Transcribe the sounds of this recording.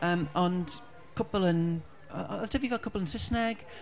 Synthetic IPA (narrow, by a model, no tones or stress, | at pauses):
əmənd | kʰʊpəlˠə̃n | əʔtʰəvifɛkʰʊpəlˠə̃nsɪsnɛɡ̥